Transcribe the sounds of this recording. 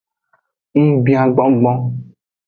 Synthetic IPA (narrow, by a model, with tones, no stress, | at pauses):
ŋ̩˦bi˦ã˨ɡ͡bɔ˦ɡ͡bɔ̃˦